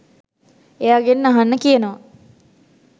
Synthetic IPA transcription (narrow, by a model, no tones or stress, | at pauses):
ejaɡenːaɦanːəkijənəʋa